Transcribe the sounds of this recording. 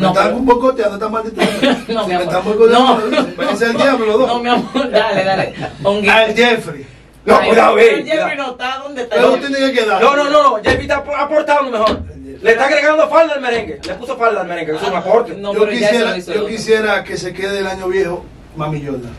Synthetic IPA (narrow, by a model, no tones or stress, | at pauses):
nt̪aũmbojkot̪janot̪amald̪it̪unoet̪ambojkot̪õosepeos̬eeiapeloðonomamaeaeoŋɡeld͡ʒefɾi | nouðaed͡ʒeɾinot̪aðond̪et̪aoot̪enekekeðaɾnõnõnõnõd͡ʒefit̪apapoɾt̪and̪omeɦoɾ | let̪akeɾeɣand̪ofald̪aelmeɾẽŋɡelepusofald̪almeɾeŋɡekusouŋapoɾt̪enoisjeɾaokisjeɾakesekeðeːlaɲoβjeho | mamiʎona